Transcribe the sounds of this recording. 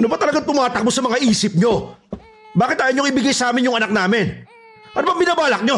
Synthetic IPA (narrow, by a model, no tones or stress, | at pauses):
ɐnʊbat̪ɐlɐɡaŋt̪ʊmaːt̪ɐk̚mosɐmɐŋaʔiːsɪp̚ɲo̞ | baːkɪt̪̚ʔaːjɐnɲːjoŋɪbɪɡajsɐʔaːmɪnjʊŋʔɐnak̚naːmɪn | paːɾɐbɐbɪnaːbaːlɐk̚ɲo̞